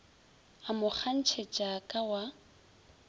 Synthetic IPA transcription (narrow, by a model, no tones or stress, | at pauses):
amʊk͡xʰan̩t͡ʃʰet͡ʃʼakʼawa